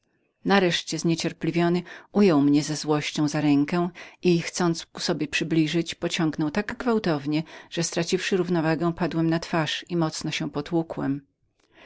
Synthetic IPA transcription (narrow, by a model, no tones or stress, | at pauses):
naɾɛʂt͡ɕɛzɲet͡ɕɛɾplʲivʲjɔnɘʔujɔwmɲɛzɛzwɔɕt͡ɕɔ̃w̃zaɾɛŋkɛ̃ixt̪sɔnt̪sku̥sɔbʲjɛpʂɘblʲiʐɘt͡ɕpɔt͡ɕɔ̃ŋɡnɔwt̪aɡɡvawt̪ɔvɲɛʐ̥ɛst̪ɾat͡ɕifʂɘɾuvnɔvaɡɛ̃pad̪wɛmnat̪faʂimɔt̪snɔɕɛ̃pɔt̪wukwɛm